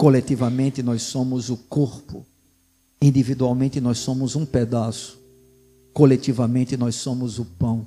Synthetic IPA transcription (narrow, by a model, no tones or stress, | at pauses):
kolet̪ivɐmẽnt̪ɪnɔjssõmʊzʊkoɾpʊ̰ | ĩnd̪ivid̪uawmẽnt̪ɪnɔssõmʊzũped̪asʊ̥ | kolet̪ivɐmẽnt̪ɪnɔjssõmʊzʊpɐ̃w̃